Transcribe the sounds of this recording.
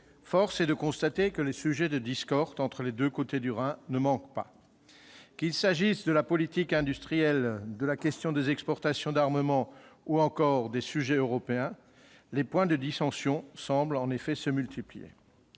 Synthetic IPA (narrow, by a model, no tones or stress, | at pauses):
fɔʁsɛd̪əkɔ̃st̪at̪ekəlesyʒɛd̪əd̪iskɔʁt̪ɑ̃t̪χəled̪økot̪ed̪yʁɛ̃nəmɑ̃kpa̰ | kilsaʒisd̪əlapɔlit̪ikɛ̃d̪yst̪χijɛld̪əlakʲɛst̪jɔ̃d̪ezɛkspɔʁt̪asjɔ̃d̪aʁməmɑ̃uɑ̃kɔʁd̪esyʒɛøʁɔpeɛ̃ | lepwɛ̃d̪əd̪isɑ̃sjɔ̃sɑ̃blɑ̃nefɛsəmylt̪ʰiplijḛ